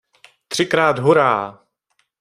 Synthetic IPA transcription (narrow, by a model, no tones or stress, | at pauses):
t̪r̥ɪkɾaːd̪ɦuɾaː